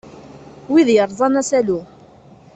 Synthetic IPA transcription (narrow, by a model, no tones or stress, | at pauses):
wiðjəɾˤðˤɑnæsælu